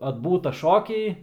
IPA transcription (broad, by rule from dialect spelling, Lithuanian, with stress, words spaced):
ɐdˈbuːtɐ ˈʃoːkʲɛɪ